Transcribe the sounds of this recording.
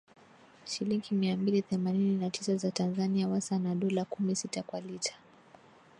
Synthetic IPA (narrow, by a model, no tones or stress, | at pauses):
ʃiliŋɡimiambiliθɛmanininatʰisazatanzaniawasanaɗɔlakumisitakwalitʰḁ